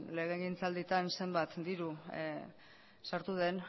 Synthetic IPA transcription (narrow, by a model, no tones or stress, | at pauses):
le̞ɣ̞eɣint͡sald̪it̪anse̞mbat̪d̪iɾu | saɾt̪uð̞e̞n